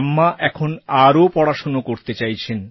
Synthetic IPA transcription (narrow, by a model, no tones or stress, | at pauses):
mːaʔɛkʰonaɾopɔɽaʃonokoɾt̪et͡ɕajt͡ɕʰen